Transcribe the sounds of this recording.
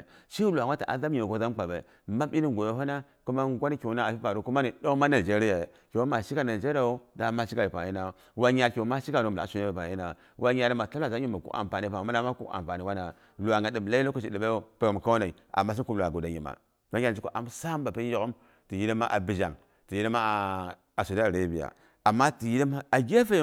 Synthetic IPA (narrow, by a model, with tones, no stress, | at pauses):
ʃi˦lu˨a˨˦a˦ta˨ʔa̰˨za˦mɲi˨ko˦za˦m˦k͡pa˨bḛ˨ | ma˦mi˦ni˦˨ɡo˨jo˦ɦo˦na˦ | ku˦ma˦ɡʷa˦n˦ko˨˦na˦˨pi˦pa˨ɾo˨ku˦ma˦ni˨do˦kma˦na˨i˨d͡ʒe˦ɾi˦ja˨ | ko˨wo˦ma˨ʃi˦ka˦na˨i˨d͡ʒe˦ɾa˨wo˦da˨˦ma˦ʃi˦ka˨li˨pa̰˨i˦na˨ | wa˦ɲa˦lkʲo˨˦ma˦ʃi˦ka˨ɾo˦m˨a̰˨˦su˦ne˦be˨pa˨i˦na˨ | wa˦ɲa˨ɾi˦ma˨ta˦la˦˨za˦ɲi˦ma˨kṵ˦a̰˨m˨pa˨ni˨pa˨ma˦da˦ma˦kṵ˦a̰˨mva˨ni˨wa˦na˨ | lu˨a˨ŋɡa˨ɗi˨m˨la˦i˦o˦ku˦ʃi˨ɗi˨be˦o˦pe˦o˨m˨ka˦na˨i˨ʔa̰˨mːa˦s̬i˦ku˦m˨lu˨a˨ɡo˨da˨ɲi˨ma̰˨ | ka˦a˦˨d͡ʒi˦ko˦ʔa˨m˦sa˦m˦ba˨pe˦o˦˨ɣo˦m | ti˨ji˦ɾi˦ma˦ʔa̰˨bi˨d͡ʒa̰˨ŋ | ti˨ji˦ɾi˦ma˦˨ | sa˨dɾa˦bi˨a̰˨ | a˨mːa˦ti˨ji˦di˦m˦a˨ɡʲe˦fe˦